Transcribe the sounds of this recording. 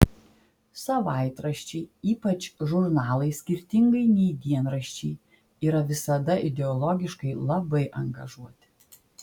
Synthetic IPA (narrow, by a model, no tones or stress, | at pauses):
sɐʋɑˑɪt̪ɾɐʃʲt͡ʃʲɛɪiːpɐt͡ʃʒʊɾnɑːlˠɐɪsʲkʲɪɾʲt̪ʲɪŋɡɐɪnʲɛɪd̪ʲiɛnɾɐʃʲt͡ʃʲɛɪ | iːɾɐʋʲɪsɐd̪ɐʔɪd̪ʲɛɔlˠɔɡʲɪʃkɐɪlˠɐbɐɪʔɐŋɡɐʒuɔt̪ʲɪ̥